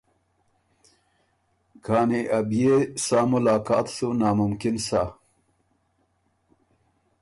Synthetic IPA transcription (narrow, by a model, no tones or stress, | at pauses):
kʰaːneʔabjesaːmʊlaːkaːt̪sunaːmʊmkɪnsa